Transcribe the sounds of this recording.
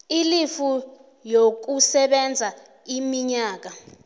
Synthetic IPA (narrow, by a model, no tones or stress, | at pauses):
ilifu | jok̬usɛɓɛnd͡zʱa | imiɲaːk̬a